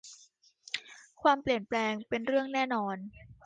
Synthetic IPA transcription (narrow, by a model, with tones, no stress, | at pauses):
kʰwaː˧mpli˨˩ənplɛː˧ŋpe˧nɾɯ˥˩əŋnɛː˥˩nɔː˧n